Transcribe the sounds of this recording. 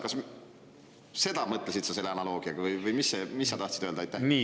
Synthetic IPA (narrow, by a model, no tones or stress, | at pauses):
kɑs | se̞d̪̥ɑmɤt̪ːˑlesit̪sɑse̞lːeɑnɑlo̞ːɡ̥iɑɡ̥ɑvɯjvɯjmisːemisːɑt̪ɑht̪sid̪̥øld̪ɑjt̪ːˑæni